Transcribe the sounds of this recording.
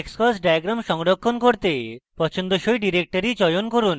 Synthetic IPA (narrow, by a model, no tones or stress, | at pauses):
kskɔsɖajaɡɾamʃɔŋɾokʰːonkoɾt̪epɔt͡ɕʰond̪oʃojɖiɾek̚ʈaɾit͡ɕɔjonkoɾun